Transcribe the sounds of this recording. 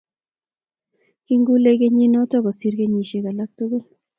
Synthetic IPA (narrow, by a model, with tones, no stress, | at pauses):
ki˦ŋɡu˦le˦ɡe˦ɲi˦nɔ˦tɔ˦kɔ˨si˦ɾɡe˦ɲi˨ʃe˨ka˨la˦k̚t̪u˦ɡo˦l